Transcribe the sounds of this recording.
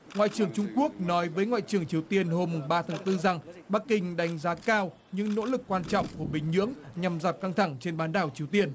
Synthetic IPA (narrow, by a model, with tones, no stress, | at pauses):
ŋwa̰ː˧˨jt͡ɕɨ˨˩əŋt͡ɕʊ˧ŋ͡mku˦˥ək̚nɔ˨˦jvəː˨˦jŋwa̰ː˧˨jt͡ɕɨ˨˩əŋt͡ɕi˨˩əwt̪i˧ənho˧mːʊ˨˩ŋ͡mɓaː˧t̪ʰaː˨˦ŋt̪ɨ˧za˨˩ŋɓaː˦˥kːï˧˩ŋ̟ɗa˨˦jŋ̟zaː˨˦kaː˧w | ɲɨ̰˧˥ŋno̰˧˥lɨ˨˩kːwaː˧nt͡ɕɔ̰˧˨wŋ͡mku˧˩əɓï˧˩ŋ̟ɲɨ̰˧˥əŋɲa˨˩mzaː˨˩p̚ka˧ŋt̪ʰa˧˩ŋt͡ɕe˧nɓaː˨˦nɗaː˨˩wt͡ɕi˨˩əwt̪i˧ən